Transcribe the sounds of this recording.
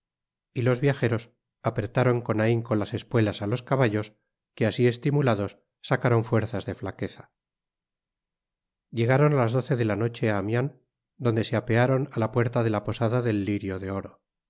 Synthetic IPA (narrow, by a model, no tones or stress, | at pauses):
ilo̞zβjaxe̞ɾo̞s | apɾet̪aɾo̞ŋko̞naiŋko̞nlase̞spwe̞lasalo̞skaβaʎo̞s | ke̞asie̞st̪imulaðo̞sː | akaɾo̞ɱfwe̞ɾθazðe̞flake̞θḁ | ʝe̞ɣ̞aɾo̞nlazðo̞θe̞ðe̞lano̞t͡ʃe̞aːmjan | d̪o̞nd̪e̞seape̞aɾo̞nalapwe̞ɾt̪aðe̞lapo̞saðaðe̞lːiɾjo̞ðe̞o̞ɾo̞